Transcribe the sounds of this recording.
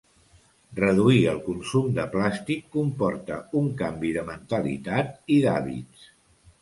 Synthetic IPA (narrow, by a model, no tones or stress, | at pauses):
rəðuiəlˠkunsumd̪əplast̪ikːumpɔɾt̪əuŋkambiðəmənt̪əlḭt̪at̪̚iða̰βḭts